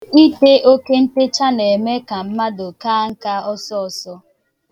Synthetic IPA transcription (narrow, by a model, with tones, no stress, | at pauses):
i˦te˦o˦ke˦n̩˦te˦t͡ʃa˦ne˨me˦ka˨m̩˦ma˦dʊ˨kaː˦ŋ̩˦ka˦ɔ˦sɔ˦ɔ˨sɔ˦